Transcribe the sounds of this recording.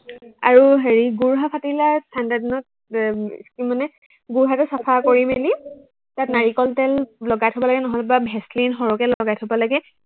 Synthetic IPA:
a̰ɹuɦeɹiɡuɹɦapʰatilastʰandadinɔt̚ | skimanɛ | ɡuɹɦatɛsapʰakoɹimeli | tatnaɹikɔltɛllɔɡajtʰɔbalaɡɛnɔɦɔlɛbabʱɛstlinxɔɹɔkɛlɔɡajtʰɔbalaɡɛ

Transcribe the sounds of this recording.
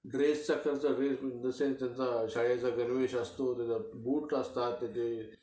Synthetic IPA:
ɖɾest͡sakəɾt͡saɖɾeːsd͡zəsent̪jant͡saɕaɭjat͡saɡənʋeːɕast̪ot̪jat͡sabuːʈəst̪at̪ːet̪e

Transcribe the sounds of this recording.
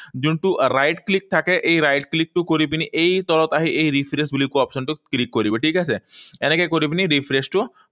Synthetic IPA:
d͡ʒũnʈuɾajʈklik̚t̪ʰakeʔeiɾajʈklik̚ʈukɔɾip̬iniʔeit̪ɔlɔt̪aɦiʔeiɾipʰɾesbilikuɔpʃənʈuklikːɔɾibeʈiːkaseenekekɔɾip̬iniɾifʰɾesʈu

